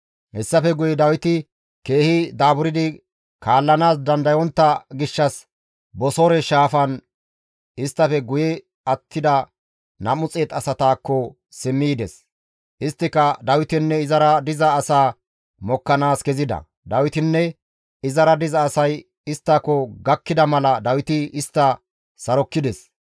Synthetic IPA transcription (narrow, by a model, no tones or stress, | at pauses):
hɛsːɐfɛɡʊjɛd̪ɐwɪt̪ɪ | ke̞ːhɪd̪aːbʊɾɪd̪ɪ | kaːlːɐnaːs̬d̪ɐnd̪ɐjɔnt̪ːɐɡɪʃːɐs | bɔsɔɾɛʃaːfɐn | ɪst̪ːɐfɛɡʊjɛ | ɐt̪ʰːɪd̪ɐ | nɐmʊt͡sʼeːt̪ɐsɐt̪aːkːɔ | sɪmːiːd̪ɛs | ʔɪst̪ːɪkɐd̪ɐwɪt̪ɪnːɛɪzɐɾɐd̪ɪzɐːsaː | mɔkːɐnaːsɡɛzɪd̪ɐ̰ | d̪ɐwɪt̪ɪnːɛ | ɪzɐɾɐd̪ɪzɐːsɐj | ɪst̪ːɐkːɔɡɐkːɪd̪ɐmɐlɐd̪ɐwɪt̪ɪɪst̪ːɐ | sɐɾɔkːɪd̪ɛs